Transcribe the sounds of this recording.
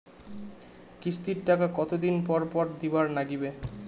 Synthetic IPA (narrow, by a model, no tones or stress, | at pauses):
kɾist̪iɾʈakakɔt̪od̪inpɔɾpɔɾd̪ibaɾnaɡibe